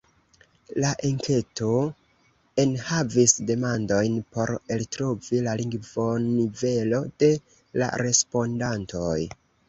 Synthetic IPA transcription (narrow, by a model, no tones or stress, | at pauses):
laʔeŋke̞to̞ | e̞nhavisde̞mando̞jnpo̞ɾeltɾovilaliŋɡvo̞nive̞lo̞d̥e̞ | la̰ɾe̞spo̞ndanto̞j